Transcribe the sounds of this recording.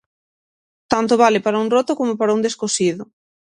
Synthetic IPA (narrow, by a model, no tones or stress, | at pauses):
t̪ant̪ʊβalɪpaɾauŋrot̪okomopaɾaund̪eskosiðʊ